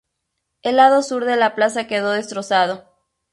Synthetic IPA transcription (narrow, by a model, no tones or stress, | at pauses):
e̞lːaðo̞suɾðe̞laplas̬ake̞ðo̞ðe̞st̪ɾo̞sað̞o̞